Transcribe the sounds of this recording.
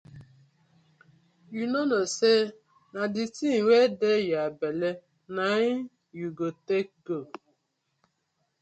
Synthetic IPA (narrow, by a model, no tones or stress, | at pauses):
junɔnose | nadɪtiŋʷedejabele | naɪ | juɡotek̚ɡo